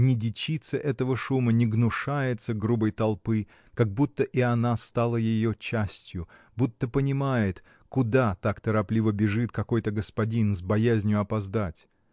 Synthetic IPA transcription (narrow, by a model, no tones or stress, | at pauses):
nʲɪdʲɪt͡ɕit̪səʔɛt̪əvəʂumənʲɪɡnʊʂajɪt̪səɡɾubəjt̪ɐlˠpɨ | kaɡ̚but̪ːəʔɪɐnast̪alˠəjɪjot͡ɕːasʲtʲjʊ | but̪ːəpənʲɪmajɪt̪ | kʊd̪at̪akt̪əɾɐplʲivəbʲɪʐɨt̪kɐko̞jt̪əɡəspɐdʲinzbɐjæzʲnʲjʊɐpɐzd̪atʲ